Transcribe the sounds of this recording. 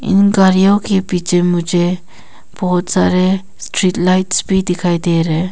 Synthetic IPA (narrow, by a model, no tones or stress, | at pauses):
ḭnɡaɾjawkepid͡ʒemud͡ʒe | b̥ɔɦɔt̪saɾe | sʈɾitlajtsbid̪ikʰajd̪eɾe